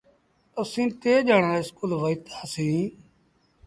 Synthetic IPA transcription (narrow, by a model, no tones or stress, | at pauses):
əsĩːt̪eːd͡ʒaːɳaːɪskuːlʋəit̪aːsĩː